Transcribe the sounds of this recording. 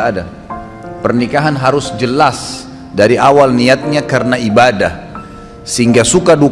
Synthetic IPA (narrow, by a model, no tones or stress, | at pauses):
ada | pərnikaɦanɦaɾʊsd͡ʒəlas | daɾiʔawalniat̪̚ɲakaɾənaibadah | səɦiŋɡasukadu